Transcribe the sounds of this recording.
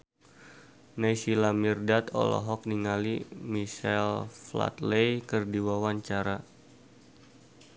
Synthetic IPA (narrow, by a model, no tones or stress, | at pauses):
najsilamirdat̪ɔ̰lɔ̰ɦɔk̚niŋalimiʃɛlfla̰t̪lejkərdiwawaɲt͡ʃaɾa